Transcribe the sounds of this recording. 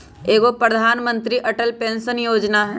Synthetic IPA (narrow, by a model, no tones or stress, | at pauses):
eːɡopɾəd̪ʱaːnmə̃nt̪ɾiʔɐʈəlpẽːnsənjoːd͡ʒnaɦɛ